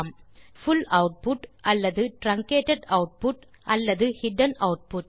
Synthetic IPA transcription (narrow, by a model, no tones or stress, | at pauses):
mfʊlɐʊʈ̚pʊʈʔɐlːɐðɯʈɾɐŋkeːʈɐɖɐʊʈ̚pʊʈ | ʔɐlːɐðɯhɪɖɐnɐʊʈ̚pʊʈ